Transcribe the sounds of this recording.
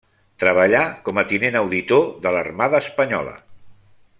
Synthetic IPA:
t̪ɾəβ̞əʎakɔmət̪inenəwðit̪oðələrmaðəːspəɲɔ̰lə̰

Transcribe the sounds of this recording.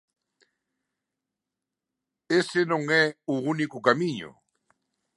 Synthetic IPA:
esenõŋɛuunikʊkamĩɲʊ̰

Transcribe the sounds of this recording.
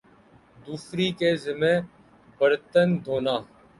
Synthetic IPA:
d̪uːfɾiːkeːzɪmẽː | bəɾt̪ənd̪ʱoːnaː

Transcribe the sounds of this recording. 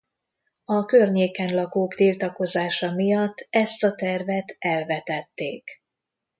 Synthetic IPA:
ɒkørɲeːkɛnlɒɡoːkt̪ilt̪ɒko̞zaːʃɒmijɒt̪ːɛst̪ɒt̪ɛrvɛt̪ɛlvɛt̪ɛt̪ːeːk

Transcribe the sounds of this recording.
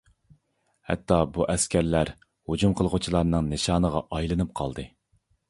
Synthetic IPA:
hɛ̰t̪ʰːɑbuʔɛskʲʰæɾlæɾ | hud͡ʒumqʰəlˠʁʊt͡ʃʰilˠɑɾnɨŋnɨʃɑːnəʁɑʔɑjlˠɨnɨp̚qʰɑ̰lˠd̪ɨ

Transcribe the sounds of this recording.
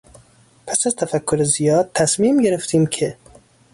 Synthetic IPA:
pʰæsæzt̪ʰæfækʰːoɾezijɒːd̪̚t̪ʰæsmiːmɟe̞ɾeft̪ʰiːmcʰe

